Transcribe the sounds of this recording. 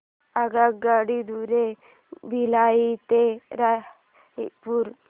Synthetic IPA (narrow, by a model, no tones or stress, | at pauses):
aɡaɡaɽid̪uɾe | bʱilait̪eɾa | epuɾ